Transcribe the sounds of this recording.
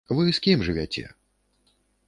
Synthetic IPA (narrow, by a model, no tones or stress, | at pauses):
vɨskʲimʐɨvʲat͡sʲɛ̰